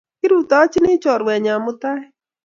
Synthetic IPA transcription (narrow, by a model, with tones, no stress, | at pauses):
kɪ˦ɾu˦˨t̪a˦t͡ʃnɪ˦t͡ʃɔ˨ɾwɛ˨ɲa˨mʊ˦t̪a˦ɛ˦